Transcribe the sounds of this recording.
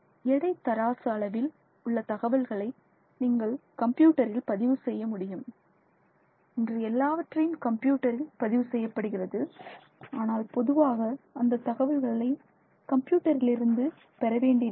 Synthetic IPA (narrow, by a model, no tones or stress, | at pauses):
ɛɽɐɪt̪ːɐɾaːsɯɐɭɐʋɪl | ʊɭːɐt̪ɐɣɐʋɐlɣɐɭɐɪ | niːŋɡɐɭkɐmpjuːʈːɐɾɪlpɐðɪʋɯsɛjːɐmʊɽɪjɯm | ɪndrɯɛlːaːʋɐʈrɐjɯmkɐmpjuːʈːɐɾɪlpɐðɪʋɯsɛjːɐpːɐɽɯɣɪrɐðɯ | aːnaːlpɔðɯʋaːɣɐɐnd̪ɐt̪ːɐɣɐʋɐlɣɐɭɐɪ | kɐmpjuːʈːɐɾɪlɪɾɯnd̪ɯ | pɛɾɐʋeːɳɖɪ